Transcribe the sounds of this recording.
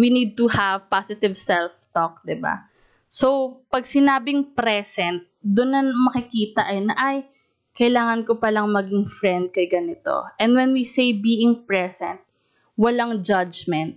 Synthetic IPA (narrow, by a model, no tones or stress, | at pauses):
winid̪̚t̪uhɐvpasɪt̪ɪvsɛlft̪ok̚d̪ɪba̰ | sowpɐɡ̚sɪnaːbɪŋpɾɛsɛnt̪̚d̪ʊnːɐmɐkɪkiːt̪ɐʔɐjnɐʔaj | kɐɪlaːŋɐnkopɐlɐŋmɐɡɪŋfɹɛnd̪̚kɐjɡɐnɪt̪o̰ʔɛ̃nd̪wɛnwisejbiːʔɪŋpɹɛsɛ̰̃nt̪̚ | wɐlaŋd͡ʒɐd͡ʒmɛnt̪̚